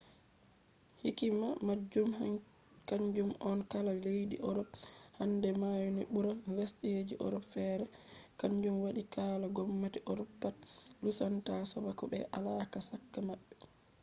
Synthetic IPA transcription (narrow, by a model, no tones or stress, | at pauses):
hikimamad͡ʒuma | kaɲd͡ʒumɔnkalalejɗiʔɔɾɔbhandɛmajuniɓuɾalesɗɛjed͡ʒiʔɔ̰ɾɔpfɛːɾɛkaɲd͡ʒumwaɗikaːlaɡɔmːatiʔɔɾɔpːat̚lusantasɔbakɔɓɛ̰ʔalakasakːamaɓːɛ